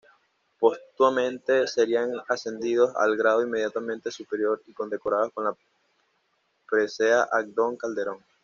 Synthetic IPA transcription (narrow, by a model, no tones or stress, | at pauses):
po̞st̪wamẽ̞nt̪e̞se̞ɾiaŋase̞nd̪ið̞o̞sa̰lɡɾað̞oimːe̞ð̞jat̪amẽnt̪e̞supe̞ɾjo̞ɾiko̞nd̪e̞ko̞ɾaðosko̞nla | pɾeseaʔak̚d̪o̞ŋkald̪e̞ɾo̞ŋ